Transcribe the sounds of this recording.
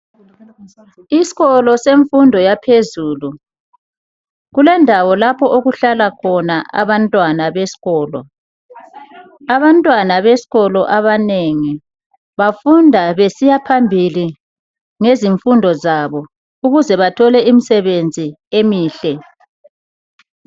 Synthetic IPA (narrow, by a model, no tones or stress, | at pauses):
isi̥ɣɔlɔseɱfundʱɔjapʰezuːlu | ɣulɛndʱawɔlapʰɔʔoɣuɬalakʰɔnaʔa̰βantʼwanaβesi̥ɣɔːlɔ̰ | aβantʼwanaβesi̥ɣɔlɔʔaβaneŋi | βafundʱaβesijapʰambʱili | ŋeziɱfundʱɔzaβɔ | uɣuzɛβatʰɔlɛimisɛβend͡zʱiemiːɬɛ